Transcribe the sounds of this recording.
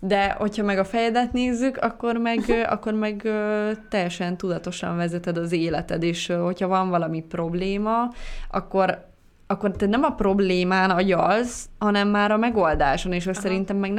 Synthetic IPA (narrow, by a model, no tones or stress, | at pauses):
d̪ɛho̞chɒmɛɡɒfɛjɛd̪ɛt̪neːzːykɒkːo̞rmɛɡɒ̰kːo̞rmɛɡøt̪ɛjːɛʃɛnt̪ud̪ɒt̪o̞ʃɒ̰ɱvɛzɛt̪ɛd̪ɒzeːlɛt̪ɛd̪eːʃɦochɒvɒɱvɒlɒmipro̞bleːmɒɒ̰kːo̞ɾ | ɒkːo̞rt̪ɛt̪nɛmɒpro̞bleːmaːnɒɟɒzhɒnɛmːaːɾɒmɛɡo̞ld̪aːʃo̞neːʃøsɛɾint̪ɛmːɛɡn